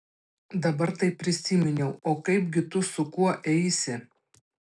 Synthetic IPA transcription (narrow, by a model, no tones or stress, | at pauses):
d̪ɐbɐɾt̪ɐɪpʲːɾʲɪsʲiːmʲɪnʲɛʊoːkɐɪpʲɡʲɪt̪ʊsʊkuɔʔɛɪsʲɪ